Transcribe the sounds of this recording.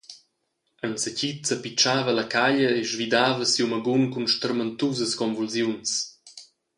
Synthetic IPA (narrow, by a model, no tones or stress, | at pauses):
ənsəcit͡səpit͡ʃaːvəlɐkaʎəeʒvid̪aːvəsiuwməɡunkunʃt̪əɾmənt̪uzəskɔnvulzjuns